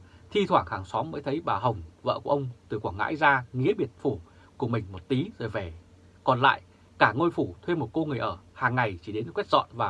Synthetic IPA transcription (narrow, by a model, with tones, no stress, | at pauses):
t̪ʰi˧t̪ʰwaː˧˩haː˨˩ŋsɔ˨˦mːəː˨˦jt̪ʰə˨˦jɓaː˨˩ɦə˨˩wŋ͡mvə̰ː˧˨ku˧˩ʔə˧wŋ͡mt̪ɨ˨˩kwaː˧˩ŋa̰ː˧˥jzaː˧ŋḭ˧˥əɓi˨˩ət̚fu˧˩ | ku˧˩əmï˨˩ŋ̟mo˨˩t̚t̪i˨˦zo˨˩jvɛ˧˩ | kɔ˨˩nla̰ː˧˨j | kaː˧˩ŋo˧jfu˧˩t̪ʰwe˧mo˨˩t̚ko˧ŋɨ˨˩əjʔəː˧˩haː˨˩ŋːa˨˩jt͡ɕi˧˩ɗe˨˦n˧˩kwɛ˦˥t̚zɔ̰˧˨nvaː˨˩